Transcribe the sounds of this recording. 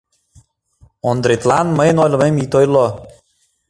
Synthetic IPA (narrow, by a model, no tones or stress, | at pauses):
ond̪ɾet̪lanməjnojlɤ̆memit̪ojlˠo